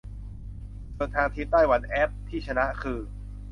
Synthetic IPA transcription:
sɤː˧˩t̪ʰːaː˧ŋt̪ʰi˦˥t̪aː˥˩jwa˨˧˥nʔɛ˦˥p̚t̪ʰiː˥˩t͡ɕʰa˧na˦˥ʔkʰɯː˧

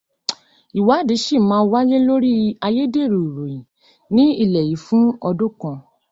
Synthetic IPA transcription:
i˨wa˨˦˨di˨˦ʃi˦˨mãː˦˧˦wa˦je˦lo˦ɾi˦a˧je˦de˦˨ɾu˨ɾo˨jĩ˨ | nĩ˦i˦˨lɛ˨ji˨˦fũ˦ɔ˧dõ˦˨kã˧

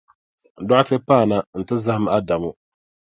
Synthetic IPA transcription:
n̩˨dɔ˦tɪ˦paː˦˨na˦n̩˨tɪ˦za˦hm˦a˦da˨mʊ˦

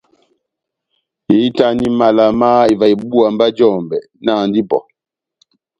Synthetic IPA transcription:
i˨˦ta˦ni˦ma˨la˨ma˦i˨va˨i˨bbu˦a˨m˦ba˦d͡ʒɔː˦˨mbɛ˨ | na˦˨n˦di˦pɔ̰˨

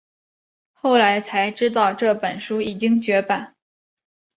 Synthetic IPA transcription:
xo˥˩ʊla˧˥ɪt͡sʰa˧˥ɪʈ͡ʂɻ̩˥t̪̬ɑ˥˧ʊʈ͡ʂɤ˥˩pə˨˩nʂu˥i˨˩t͡ɕi˥ŋt͡ɕɥɛ˧˥pa˨˩˦n

